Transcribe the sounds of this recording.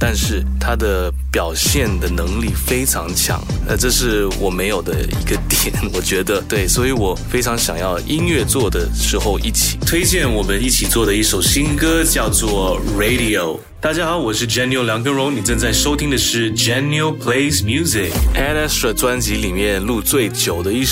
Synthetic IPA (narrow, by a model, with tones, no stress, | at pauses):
t̪a˥˧nʂɻ̩˥˩t̪ʰa˥d̪ə˨ | pjɑ˨˩ʊɕjɛ˥˩nd̪ə˩nɤ˧˥ŋli˥˩fe˥ɪʈ͡ʂʰɑ˧˥ŋt͡ɕʰjɑ̰˧˥ŋ˧ʈ͡ʂɤ˥˧ʂɻ̩˥˩wɔ˨˩me˧˥ɪjo˨˩ʊd̪ə̰˦ḭ˧˥ɡə˧t̪jɛ˨˩˦nwɔ˨˩t͡ɕɥɛ˧˥d̪ə˧t̪we˥˩ɪswɔ˧˥i˧˥wɔ˨˩fe˥ɪʈ͡ʂʰɑ˧˥ŋɕjɑ̰˨˩ŋjɑ˥˩ʊi˥nɥɛ˥˧t͡swɔ˥˩d̪ə˩ʂɻ̩˧˥xo˥˧ʊʔi˥˩t͡ɕʰi̥˨˩˦t̪ʰwe˥ɪt͡ɕjɛ˥˩nwɔ˨˩mə˦ni˥˩t͡ɕʰi˨˩t͡swɔ˥˩d̪ə˩i˥˩ʂo˨˩ʊɕi˥nkɤ˥t͡ɕjɑ˥˧ʊt͡swɔ˥˩ɹe˧˥ɪdi˧o˨˩ʊ | t̪a˥˩t͡ɕja˥xɑ˧˥ʊwɔ˨˩ʂɻ̩˥˩ʈ͡ʂɛ˥nijo˥ʊljɑ˧˥ŋkɤ˥ŋɻo˧˥ʊni˨˩ʈ͡ʂə˥˧nt͡sa˥˩ɪʂo˥ʊt̪ʰi˥ŋd̪ə˨ʂɻ̩˥˩d͡ʒɛ˥no˥ʊpʰle˥ɪsmju˥zi˨˩kɛ˥˩na˥ʂɻ̩˥˩˨ʈ͡ʂwa˥nt͡ɕi˧˥li˨˩mjɛ˥˧nlu˥˧t͡swe˥˩ɪt͡ɕjo˨˩ʊd̪ə˦i˥˩ʂ